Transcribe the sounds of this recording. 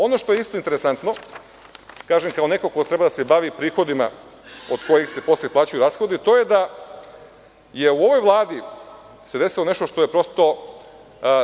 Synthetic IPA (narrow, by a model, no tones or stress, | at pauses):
o̞no̞ʃt̪o̞jeist̪o̞int̪eɾesant̪no̞ | kaːʒemkaone̞kokot̪ɾe̞bad̪ase̞baʋipɾiːxo̞d̪ima̰od̪ko̞jixse̞po̞sljeplˠaːt͡ɕujuɾasxo̞d̪it̪o̞je̞d̪a | jeuo̞ʋo̞jʋlˠaːd̪i | se̞d̪e̞silˠo̞ne̞ʃt̪oʃt̪o̞je̞pɾo̞st̪o̞